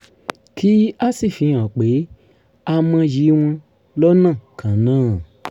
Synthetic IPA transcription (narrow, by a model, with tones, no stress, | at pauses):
ki˨˦a˦si˦˨fĩ˨˦ã˨k͡pe˨˦ | a˧mã˧ji˨˦w̃ã˧ | lɔ˦nãː˦˨kʰã˨nãː˦˨